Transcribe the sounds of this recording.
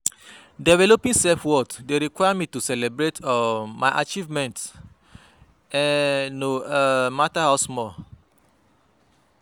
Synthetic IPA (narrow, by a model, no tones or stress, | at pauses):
dɛvɛlopĩŋsɛlfwɔtdeɾikwaɪjamitusɛlɛbɹetmaɪʔa̰t͡ʃivmɛ̃nts | ɛ̃nomatahaʊsmɔl